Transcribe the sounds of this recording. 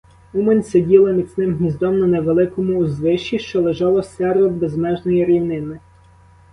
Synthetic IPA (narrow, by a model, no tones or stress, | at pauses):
umenʲsedʲilˠɐmʲit̪ʲsʲnɪmɦmʲizd̪ɔmnɐneʋelˠɪkɔmʊːzʋɪʃt͡ʃːiʃt͡ʃɔlˠeʒɑlˠɔsɛrɔbezmɛʒnɔjiɾʲiwnɪnɪ